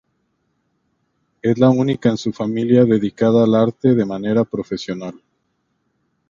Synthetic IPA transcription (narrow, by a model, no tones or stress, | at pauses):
e̞zlaunikaensufamiljaðe̞ðikaðaːlaɾt̪e̞ðe̞mane̞ɾapɾo̞fe̞sjo̞nal